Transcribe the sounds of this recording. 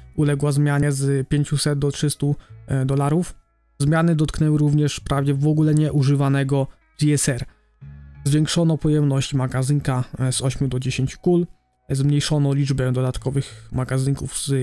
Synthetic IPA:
ulɛɡwazmʲjaɲɛzpʲjeɲt͡ɕusɛd̪̚d̪ɔtʂɘst̪ud̪ɔlaɾuf | zmʲjanɘd̪ɔt̪knɛwɘɾuvɲɛʂpɾavd͡ʑɛvɔɡulɛɲɛʔuʐɘvanɛɡɔ | z̥ʲiɛsɛɾ | zvʲjeŋkʂɔnɔpɔjɛmnɔɕt͡ɕimaɡaziŋkazɔɕmʲud̪ɔd͡ʑeɕeɲt͡ɕu̥kul | zmɲejʂɔnɔlʲid͡ʐbɛd̪ɔd̪at̪kɔvɘxmaɡaziŋkuvz

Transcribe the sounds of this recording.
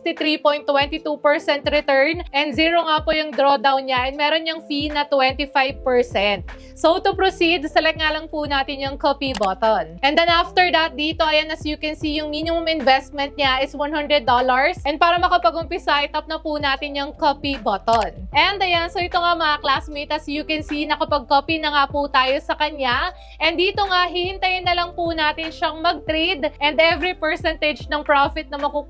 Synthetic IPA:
st̪it̪ɾipojnt̪ːwɛnt̪it̪upɛɹsɛnt̪ɾɛt̪ɛɹnʔɛnd̪ziɹoŋapojʊŋd̪ɾod̪awnɲaʔɛnmɛɾonɲɐŋfinɐt̪wɛnt̪ifajv̚pɛɹsɛnt̪̚ | sowt̪ʊpɾosid̪sɐlɛk̚ŋaːlɐŋpʊnaːt̪ɪnjʊŋkopibot̪onʔɛ̃nd̪ɛnʔaft̪ɛɹd̪ɐt̪̚d̪iːt̪o̞ʔɐjanːɐsjʊkɛnsijʊŋminɪmʊmɪnvɛst̪̚mɛ̃nt̪̚ɲaʔɪswɐnhɐnd̪ɾɛd̪ːolɐɹsʔɛnd̪̚paːɾɐmɐkɐpɐɡʊmpisajt̪ɐp̚nɐpunaːt̪ɪnjʊŋkopibot̪onʔɛnd̪ɐjansoʔɪt̪oŋamɐŋaklasmejt̪ɐsjukɛnsinɐkɐpɐɡ̚kopinɐŋaput̪aːjo̞sɐkɐɲa | ʔɛnd̪iːt̪oŋaɦihɪnt̪ɐjɪnːɐlɐŋpunaːt̪ɪnʃɐŋmɐɡ̚t̪ɾejd̪ʔɛnd̪ɛvɾipɛɹsɛnt̪ɛd͡ʒnɐŋpɾofɪt̪̚nɐmɐku

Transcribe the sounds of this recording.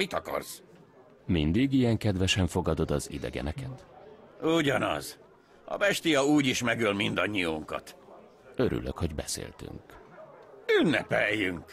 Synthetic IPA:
mit̪ɒkɒ̰rz | mind̪iɡijɛŋkɛd̪ʋɛʃɛɱfo̞ɡɒd̪o̞d̪ɒzḭd̪ɛɡɛ̰nɛkɛt̪uɟɒnɒ̰z | ɒ̰bɛʃt̪ijɒuːɟiʃmɛɡylmind̪ɒɲːijoŋkɒ̰t̪ | øɾʔy̰løkho̞ɟbɛsḛːlt̪y̰ŋk | ynːɛpɛjːyŋk

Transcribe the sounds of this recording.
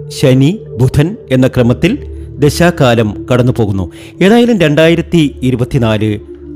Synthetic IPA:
ɕɐnibʱud̪ʰʱɐne̞nːɐkrɐmɐt̪ːild̪e̞ɕaːkːaːlɐmkɐɽɐnːupo̞ːɣunːṵ | e̞ːðaːjilumɾe̞ɳɖaːjiɾɐt̪ːiːɾubɐt̪ːinaːlɨ

